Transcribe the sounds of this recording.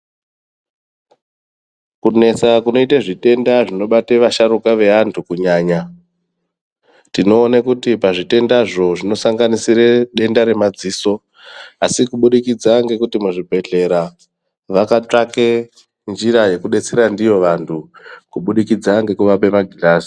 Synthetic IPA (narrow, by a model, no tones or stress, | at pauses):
kune̞t͡sakuno̞itaʐite̞ndaʐino̞ɓateʋaʃaɾukaʋe̞antʰukuɲaːɲa | tino̞ːnakutipaʐite̞ndaʐo̞ʐino̞saŋɡanisireɗe̞ndaɾe̞mad͡ziːso | asikuɓuɗikid͡zaŋɡe̞kutimuʐibʱe̞ɮe̞ɾa | ʋakat͡ʂake | nd͡ʒiɾaje̞kuɗe̞t͡se̞ɾandijo̞ʋantʰukuɓuɗikid͡zaŋɡe̞kuʋape̞maɡʱilaːsi̥